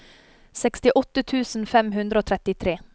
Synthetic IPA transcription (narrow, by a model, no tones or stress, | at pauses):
sɛkst̪ɪʔɔt̪ət̪ʰʉːsn̩fɛmhʉnd̪ɾəoːt̪ʰɾɛt̪ɪt̪ʰɾeː